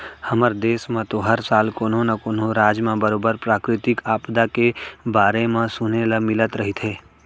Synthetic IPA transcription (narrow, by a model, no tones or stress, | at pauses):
həməɾd̪eːsmãt̪oɦəɾsaːlkoːnõnakoːnõɾaːd͡ʒmãbəɾoːbəɾpɾaːkɾɪt̪ɪkaːpd̪akebaːɾemãsʊneləmɪlət̪ɾəɦit̪ɦeː